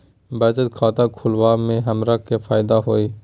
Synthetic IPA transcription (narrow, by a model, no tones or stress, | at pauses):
bəd͡ʒət̪kʰaːt̪akʰʊlʋaːmẽɦəmɾakefʰaːɪd̪aɦoːeː